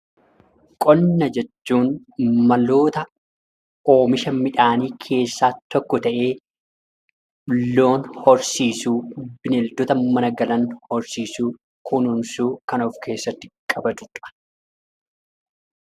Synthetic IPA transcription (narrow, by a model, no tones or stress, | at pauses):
kʼɔnːɐd͡ʒɛt͡ʃːuːn | mɐlo̞ːt̪ɐ | o̞ːmɪʃɐmɪᶑaːniːkʰe̞ːsːaːt̪ɔkːɔt̪ɐʔe̞ː | ᶑʊlːo̞ːnhɔɾsiːsuːbɪnɛld̪ɔt̪ɐmɐnɐɡɐlɐnhɔɾsiːsuː | kʰʊnʊnsuːkɐnɔfkʰe̞ːsːɐt̪ːɪ̥kʼɐbɐt̪ʊᶑʼɐ̥